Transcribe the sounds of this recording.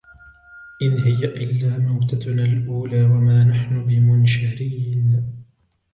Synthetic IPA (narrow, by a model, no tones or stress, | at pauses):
ʔɪnhɪjaʔɪlːaːmawt̪analʔuːlaːwamaːnaħnʊbɪmʊnʃaɾiːn